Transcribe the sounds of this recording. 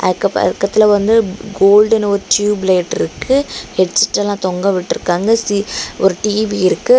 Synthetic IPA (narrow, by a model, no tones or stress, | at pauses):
ʔɐ̰ðkːɐpɐ̰ðɯkːɐt̪ːɪlɐʋɐnd̪ɯɡoːlɖɐnɔɾɯʈjuːbleːʈːɪɾɯkːɯhɛʈsɪ̥ʈːɛlãːt̪ɔŋɡɐʋɪʈːɪɾɯkːaːŋɡɐsiɔɾɯʈiːʋiɪɾɯkːɯ